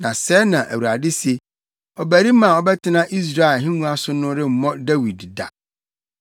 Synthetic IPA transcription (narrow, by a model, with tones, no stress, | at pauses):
nã˨sɛː˦nã˨ʔæ˨wu˨ɾa˨dɪ˦se˨ | ɔ˨bæ˨ɾi˦mã˨ɔ˦bɛ˦tʰɪ˦nã˦ʔi˦s̬ɾa˦ɪ˨ɦɪ̃˦ŋũ˦a˦sʊ˦nʊ̃˦ɾɪ˦m̩˨mɔ̃˦dæ˦wi˨dda̰˨